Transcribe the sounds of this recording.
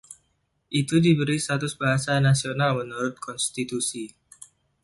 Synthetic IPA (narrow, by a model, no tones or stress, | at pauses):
ʔit̪udibəɾist̪at̪ʊsbaɦasanasionalmənuɾʊt̪̚kʰɔnst̪it̪usi